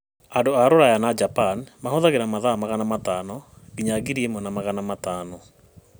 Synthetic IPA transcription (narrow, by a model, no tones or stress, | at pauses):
andoaɾoɾajanad͡ʒapanmahoðaɣeɾamaðamaɣanamatanɔɣiɲaɡiɾiemɔnamaɣanamataːnɔ